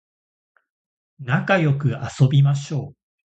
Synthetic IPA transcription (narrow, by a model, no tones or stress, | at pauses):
nakajo̞kɯ̟aso̞bʲimaɕo̞ː